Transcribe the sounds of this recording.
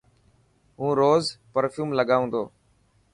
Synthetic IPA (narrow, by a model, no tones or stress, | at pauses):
ɦũːɾoːzpəɾfjuːmləɠaːʋũːnd̪oː